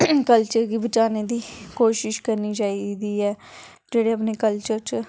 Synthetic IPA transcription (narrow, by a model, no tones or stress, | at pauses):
kəlt͡ʃəɾɡiːbət͡ʃaːneːd̪iːkoːʃɪʃkəɾniːt͡ʃaːid̪iːɛː | d͡ʒeːɽeːəp̬neːkəlt͡ʃəɾt͡ʃ